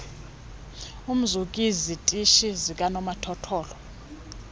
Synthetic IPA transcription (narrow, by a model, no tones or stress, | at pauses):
um̩zukʼizitʼiʃizikʼanɔmatʰɔtʰɔːlɔ